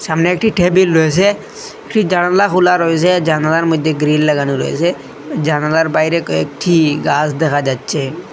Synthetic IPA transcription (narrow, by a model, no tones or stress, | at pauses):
samneːk̚ʈʰiʈʰeːbilɾoes̬e | ekʈʰid͡ʒaɽ̃laxulaɾɔes̬ed͡ʒanalaɾmʊd̪ʱːeɡɾinləɡaniɾɔ̰ḛse | d͡ʒanalaɾbajɾekoek̚ʈʰiɡaːsd̪ekʰad͡ʒat̪t͡ʃʰe